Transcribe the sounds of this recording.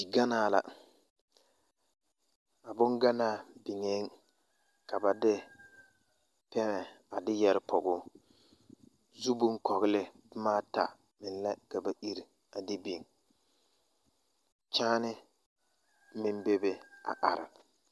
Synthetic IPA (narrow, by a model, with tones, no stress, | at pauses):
i˨ɡa˦naː˨la̰˨ | a˨bʊ˦ŋɡa˦naː˦˨bɪ˨ŋe˨˦ŋ | ka˨ba˨dɪ˦ | pɛ˦nɛ˨ | a˨dɪ˦jɛ˨ɾɪ˦pʰɔ˨ɡʊː˦ | zu˦bʊ˦ŋ˦kɔ˨ɣɪ˦lɪ˦dʊ˦maː˦ta˨ | mɪ˨n˦lɛ˦ka˨ba˨ʔi˦ɾi˨ | a˨dɪ˦bi˨ŋ | t͡ʃaː˦nɪ˦ | mɪ˦nbe˦be˦a̰˨ʔa˨ɾɪ̰˨